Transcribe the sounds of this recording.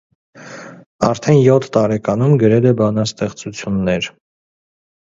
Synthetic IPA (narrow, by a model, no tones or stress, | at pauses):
ɑɾt̪ʰɛnjɔt̪ʰːɑɾɛkɑnumɡəɾɛlɛbɑnɑst̪ɛχt͡sut͡sʰjunːɛɾ